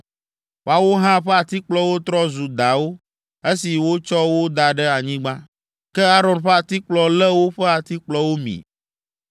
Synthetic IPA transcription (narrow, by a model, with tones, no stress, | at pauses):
wo˨˦a˨wo˦ɦã˦ɸɛ˦a˨t̪i˦k͡plɔ˦wo˦t̪ɾɔ˦zu˨d̪a˨wo˦ | e˦si˨wo˦t͡ʃɔ˦wo˦d̪a˨ɖɛ˦a˨ɲĩ˦ɡ͡bã˦ | kɛ˦a˦ɾɔ˨nɸɛ˦a˨t̪i˦k͡plɔ˨lɛ˦wo˦ɸɛ˦a˨t̪i˦k͡plɔ˦wo˦mḭ̃˨